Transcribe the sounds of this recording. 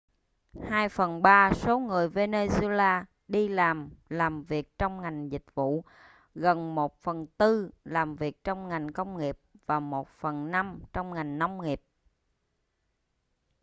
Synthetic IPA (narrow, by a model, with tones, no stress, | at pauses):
haː˧jfə˨˩nɓaː˧so˨˦ŋɨ˨˩əjve˧ne˧zlaː˧ | ɗi˧laː˨˩mlaː˨˩mvi˨˩ək̚t͡ɕɔ˧wŋ͡mŋa˨˩jŋ̟zï˨˩k̟̚vṵ˧˨ | ɣə˨˩nmo˨˩t̚fə˨˩nt̪ɨ˧laː˨˩mvi˨˩ək̚t͡ɕɔ˧wŋ͡mŋa˨˩jŋ̟kə˧wŋ͡mŋi˨˩əp̚vaː˨˩mo˨˩t̚fə˨˩nna˧mt͡ɕɔ˧wŋ͡mŋa˨˩jŋ̟na˧wŋ͡mŋi˨˩əp̚